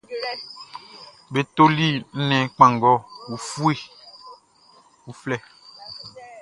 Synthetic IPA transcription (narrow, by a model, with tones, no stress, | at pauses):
be˨t̪o˦li˦n̩˦nɛ̃˨k͡pã˨ŋɡɔ˦wu˨fu˦e˦ | wu˨flɛ˦